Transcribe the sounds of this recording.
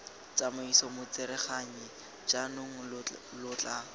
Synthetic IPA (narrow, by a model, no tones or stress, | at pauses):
t͡samʊisɔmʊt͡sɪɾɛχaɲɪ | d͡ʒanʊŋ̩lʊːt͡ɬa